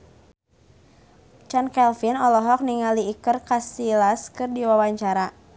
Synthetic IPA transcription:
t͡ʃankɛlfinɔlɔɦɔk̚niŋaliːkərkasilaskɨrdiwawaɲt͡ʃaɾa

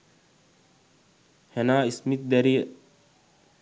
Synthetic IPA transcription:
hɛnaːismit̪̚d̪ɛɾi

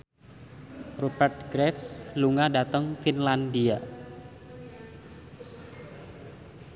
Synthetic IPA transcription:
robɛrt̪̚ɡ̥ɾɛfsluŋadat̪əŋfinland̪ia

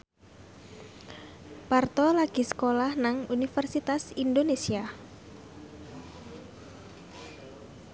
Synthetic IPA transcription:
part̪ɔlaɡ̥i̤sə̥kolahnaŋunifərsit̪asind̪onesia

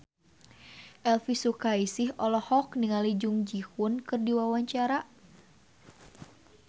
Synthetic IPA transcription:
ʔɛlfisukaisihɔlɔhɔkniŋalid͡ʒuŋd͡ʒihunkɨrdiwawaɲt͡ʃaɾa

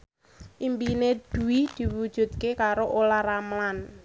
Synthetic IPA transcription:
ʔimbined̪̥ṳwid̪̥i̤wud̥ʒ̥ṳt̪̚kekaɾoʔolaɾamlan

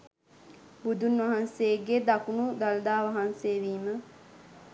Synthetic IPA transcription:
bud̪unʋɐɦanseɡed̪akunud̪ald̪aːʋaɦanseːʋiːmə

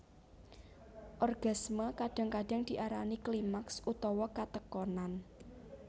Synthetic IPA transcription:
ʔɔrɡ̥a̤sməkaɖ̥a̤ŋkaɖ̥a̤ŋd̪̥iʔaɾaniklimaksut̪ɔwɔkat̪əkɔnan

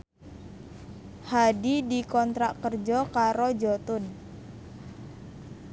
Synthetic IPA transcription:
hadidikɔnt̪ɾaʔkərd͡ʒɔkaɾod͡ʒɔt̪ʊn

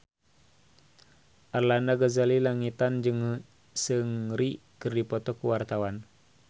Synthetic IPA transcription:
ʔarlandaɡazalilaŋit̪and͡ʒɨŋ | sɨŋri | kɨrdipɔt̪ɔkuwart̪awan

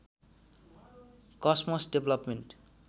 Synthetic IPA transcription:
kʌsmʌsɖeblʌpmeɳʈ

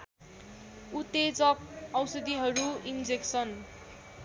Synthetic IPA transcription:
ut̪ed͡zʌk̚ʌwsʌd̪iɦʌɾuind͡zeksʌn

